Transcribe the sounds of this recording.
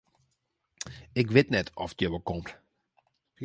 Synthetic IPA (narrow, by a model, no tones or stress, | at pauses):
ɪkʋɪtnɛtʰɔ̰ftjəʋəkomt